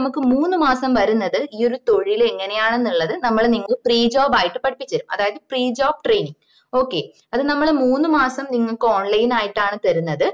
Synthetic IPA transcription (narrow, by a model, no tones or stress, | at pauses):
mukːɨmuːnːɨmaːsɐmʋɐɾunːɐðɨiːo̞ɾut̪o̞ɻiile̞ŋːɐnejaːɳe̞nːuɭːɐðɨnɐmːɐɭniŋːɐɭpriːd͡ʑoːbaːjiʈːɨpɐɽipːit͡ɕːɐɾumɐ̰ðaːjɐðɨpriːd͡ʑoːb̚ʈrejniŋ | o̞ːkːe̞ː | ɐðɨnɐmːɐɭmuːnːɨmaːsɐmniŋːɐɭkːo̞ːɳlɐjnaːjiʈːaːɳɨt̪ɐɾunːɐðɨ